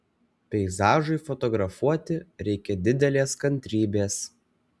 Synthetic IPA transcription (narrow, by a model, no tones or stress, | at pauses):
pʲɛɪzɑːʒɐɪfɔt̪ɔɡɾɐfuɔt̪ʲɪɾʲɛɪkʲɛd̪ʲɪd̪ʲɛlʲeːskɐnʲt̪ʲɾʲiːbʲeːs